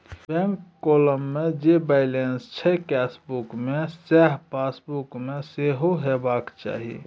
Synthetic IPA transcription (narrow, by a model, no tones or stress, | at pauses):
bɛ̃ŋkːoləmːed͡ʒebaɪlenst͡ʃʰɛkɛsbukmesɛɦpasbukmeseɦoɦebakt͡ʃa̰ːɦḭ